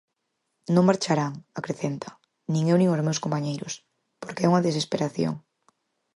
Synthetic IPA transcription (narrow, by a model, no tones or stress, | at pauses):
nõŋmaɾt͡ʃaɾaŋakɾeθent̪ʰɐ̥ | nĩŋewnĩŋozmewskompaɲejɾʊ̰s | poɾkeɛuŋɐðesespeɾaθjo̰ŋ